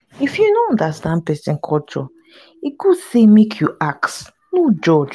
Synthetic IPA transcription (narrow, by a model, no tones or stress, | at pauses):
ifjunoɔ̃ndastãnpɛsɛ̃nkʰɔt͡ʃɔ̰ | iɡusemekʰjuʔaks | nod͡ʒɔd͡ʒ